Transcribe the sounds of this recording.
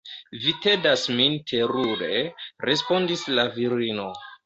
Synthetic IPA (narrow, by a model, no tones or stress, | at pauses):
vite̞dasmintʰe̞ɾuɾe̞ɾe̞spo̞ndislaviɾino̞